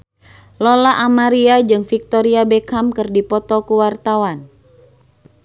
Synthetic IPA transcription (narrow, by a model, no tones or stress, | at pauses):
lolaʔamaɾiad͡ʒɨŋfik̚t̪ɔɾiabekamkɨrdipɔt̪ɔkuwart̪awan